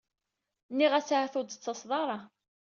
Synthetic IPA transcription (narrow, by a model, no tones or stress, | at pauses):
nːiʁæsʕθʊd̪t͡sːɑsˤðˤɑɾˤɑ